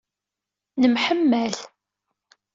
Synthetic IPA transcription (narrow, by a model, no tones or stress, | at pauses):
nəmħəmːæl